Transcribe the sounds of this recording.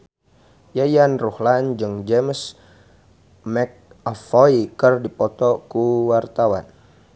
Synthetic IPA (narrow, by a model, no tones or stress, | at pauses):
jajanruhland͡ʒɨŋd͡ʒems | mɛk̚afoikərdipɔt̪ɔkuwart̪awa̰n